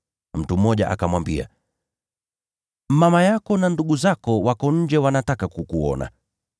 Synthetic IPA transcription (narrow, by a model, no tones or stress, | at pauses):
m̩tum̩ːɔʄa̰ʔa̰kamwambia̰ | mamajakɔnanduɡuzakɔwakɔɲ̩d͡ʒɛwanatakakukuɔ̰na̰